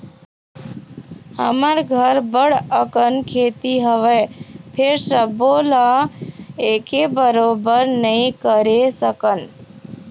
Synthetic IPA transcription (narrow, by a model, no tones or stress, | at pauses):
hə̰maɾɡʱəɾbəɽəkənkʰeːt̪iɦəʋepʰeɾsəbola | eːkebəɾoːbəɾnəĩkəɾesəkən